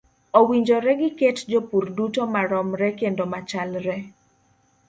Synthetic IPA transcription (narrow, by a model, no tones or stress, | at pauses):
owiɲd͡ʒɔɾɛɡɪketd͡ʒopurdutomaɾɔmɾɛkendomat͡ʃalɾɛ